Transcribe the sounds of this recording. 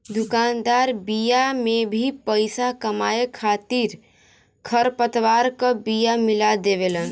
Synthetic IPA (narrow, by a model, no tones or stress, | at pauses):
d̪ʊkaːnd̪aːɾbijamẽbʱipəɪsakəmaːekʰaːt̪iɾ | kʰəɾpət̪ʋaːɾkəbijamɪlad̪eʋelən